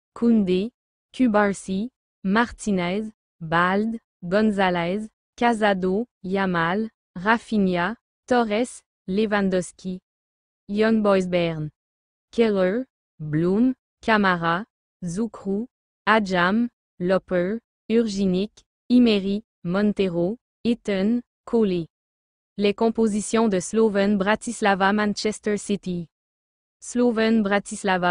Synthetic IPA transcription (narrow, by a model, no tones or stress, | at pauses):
kʰund̪e | kʲybaʁsi | maʁt̪ʰinɛz | bald̪ | ɡɔ̃nzalɛz | kazad̪o | jamal | ʁafinja | t̪ɔʁɛs | levãnd̪ɔskʲi | jɔnbɔjzbɛʁn | kɛʁø | blum | kʲamaʁa | zukχu | ad͡ʒam | lɔpø | yʁʒinik | imeʁi | mɔ̃nt̪eʁo | et̪œn | kʰole | lekɔ̃pozisjɔ̃d̪əslovɛnbʁat̪islavamãnʃɛst̪ɛʁsit̪i | slovɛnbʁat̪islava